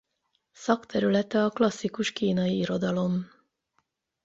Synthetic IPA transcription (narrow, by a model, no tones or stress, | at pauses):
sɒkt̪ʰɛɾylɛt̪ɛɒklɒsːikuʃkiːnɒiiɾo̞d̪ɒlo̞m